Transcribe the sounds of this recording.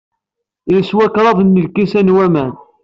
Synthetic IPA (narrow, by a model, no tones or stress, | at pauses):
ləswækɾˤɑðˤnːəlkːisænwæmæn